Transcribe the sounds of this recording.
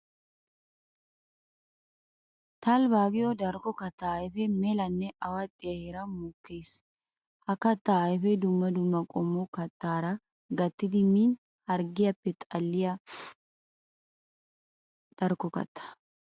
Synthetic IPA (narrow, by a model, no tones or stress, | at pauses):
t̪ɐlbaːɡɪjɔd̪ɐɾkɔkɐt̪ːajfɛmɛlɐnːɛʔɐwɐt̪ʼːɪjɐheːɾɐmʊkːeːs | hɐkɐt̪ːaːjfɛd̪ʊmːɐd̪ʊmːɐkʼɔmːɔkɐt̪ːaːɾɐ | ɡɐt̪ːɪd̪ɪmin | hɐɾɡɪjɐpːɛt̪ʼɐlːɪjɐ | d̪̥ɐɾkɔkɐ̰t̪ːɐ̥